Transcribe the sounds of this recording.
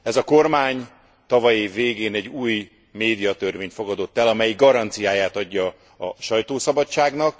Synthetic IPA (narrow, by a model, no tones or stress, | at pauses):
ɛzɒko̞rmaːɲ | t̪ɒvɒjiveːɡeːnɛɟːuːj | meːd̪ijɒt̪ørveːɲt̪fo̞ɡɒd̪o̞t̪ːɛlɒmɛjiɡɒɾɒnt̪sijaːjaːt̪ɒɟːɒ | ɒʃɒjt̪oːsɒbɒt͡ʃaːɡnɒk